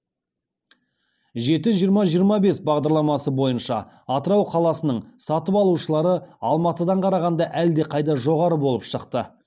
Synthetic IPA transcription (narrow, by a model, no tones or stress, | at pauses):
ʒe̞t̪ɪʒijəɾmɑʒijəɾmɑbe̞sbɑʁd̪ɑɾlˠɑmɑsəbo̞jənʃɑ̰ː | t̪əɾɑwqʰɑlˠɑsənəɴsɑt̪əpɑlˠuʃəlˠɑɾəɑlˠmɑt̪əd̪ɑɴqʰɑɾɑʁɑnd̪ɑʔæld̪e̞qʰɑjd̪ɑʒo̞ʁɑɾəbo̞lˠəpʃəqt̪ə